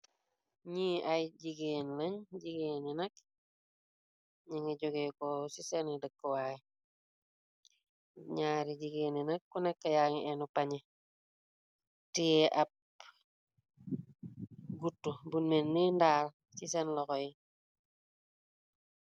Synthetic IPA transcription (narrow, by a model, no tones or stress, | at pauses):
ɲiʔajɟiɡenleɲɟiɡeːninɐk | ɲiŋeɟoɡekosisenidəkːowai | ɲaːɾiɟiɡeninɐkːunekːajaŋenupaɲe | tijeʔap̚ | ɡutːubunmenːindaːl | sisenlokoi